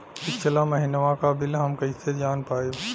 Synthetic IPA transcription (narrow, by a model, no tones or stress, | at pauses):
ɪkt͡ʃʰəlamɐɦinəʋãkabɪlɦɐmkɐɦised͡ʒaːnpaːe